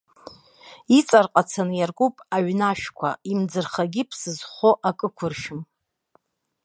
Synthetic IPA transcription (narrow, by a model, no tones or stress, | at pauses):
it͡sʼarqʼat͡sʰanɨjarkʷʼupʼaɥnaʃᶣkʷʰa̰imd͡zɨrχaɡʲipʰsɨzχoʔakʼɨkʷʰʊrʃɪm